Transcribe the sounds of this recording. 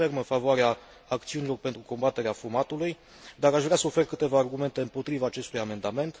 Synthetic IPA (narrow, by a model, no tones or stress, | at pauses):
ermənfavoaɾeaː | kt̪siunilo̞rpe̞nt̪ɾuko̞mbat̪e̞ɾeafumat̪uluj | d̪aɾaʃvɾeasəofe̞rkɨt̪e̞vaːrɡume̞nt̪e̞ɨmpo̞t̪ɾivaːt͡ʃe̞st̪ujame̞nd̪ame̞nt̪